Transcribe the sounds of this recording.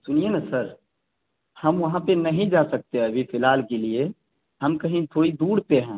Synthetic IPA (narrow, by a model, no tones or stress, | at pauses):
sʊnijenasəɾ | hɐmʋɐɦãpenɐɦĩd͡ʒaːsək̚t̪eɦɛːbʱifʰɪlaːlkelie | həmkəɦĩt̪ʰoːid̪uːɽt̪eɦɛ̃ː